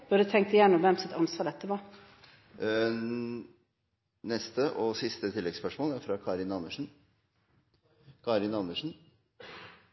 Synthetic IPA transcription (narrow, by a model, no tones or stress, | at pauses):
b̥ʉɖd̪ət̪ʰɛŋkt̪əjæːɳɔmʋɛmsɛt̪ɑnsʋɑːɖ̪ɛt̪ːəʋɑ | nɛst̪əʔɔsɪst̪ət̪ʰɪlːɛɡspœʂmoːlæɾfɾɑkʰɑːɾɪnɑnəʂɳn̩ | kʰɑːɾɪnɑnəʂn̩